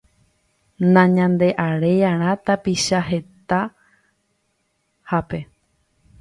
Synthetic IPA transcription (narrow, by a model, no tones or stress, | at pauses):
nãɲãnd̪e̞ʔaɾe̞jãɾ̃ãt̪apiʃaɦe̞t̪a | hape̞